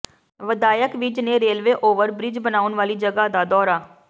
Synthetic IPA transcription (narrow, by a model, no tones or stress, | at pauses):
ʋəd̪aːjəkʋɪd͡ʒnẽːɾeːlʋeːʔoːʋəɾbɾɪd͡ʒbənaːʊnʋaːliːd͡ʒəɡaːd̪aːd̪ɔːɾaː